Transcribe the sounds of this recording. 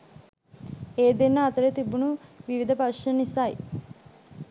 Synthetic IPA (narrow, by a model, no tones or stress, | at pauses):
eːd̪enːɐːt̪ɐɾet̪ibunuʋiʋid̪ʱɐpɐʃɐnisaːḭ